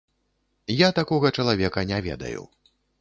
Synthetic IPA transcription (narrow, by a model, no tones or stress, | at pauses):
jat̪akɔɣɐt͡ʂɐlˠavʲɛkɐnʲavʲɛ̰d̪ɐ̰jṵ